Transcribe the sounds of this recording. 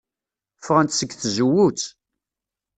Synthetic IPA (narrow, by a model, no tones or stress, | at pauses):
fʁænt̪səɡθzuwut͡s